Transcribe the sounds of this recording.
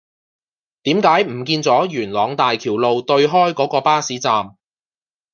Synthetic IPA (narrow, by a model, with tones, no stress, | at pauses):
t̪iː˨˥mkaː˨˥jm̩˨˩kiː˧nt͡sɔː˨˥jyː˨˩nlɔː˨˧ŋt̪aː˨jkʰiː˨˩wlo˨wt̪ɵ˧ɥɦɔː˥jkɔː˨˥kɔː˧paː˥siː˨˥t͡saː˨m